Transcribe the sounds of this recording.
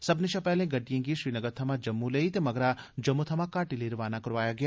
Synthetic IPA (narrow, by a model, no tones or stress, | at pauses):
sɐbniʃapɛɦlẽɡɐɖijẽŋɡiʃɾiːnəɡəɾt̪ʰɐmãd͡ʒɐmːuleit̪emɐɡɾad͡ʒɐmːut̪ʰɐmãkaːʈileɾʋaːnakəɾʋaːjaɡɐjaː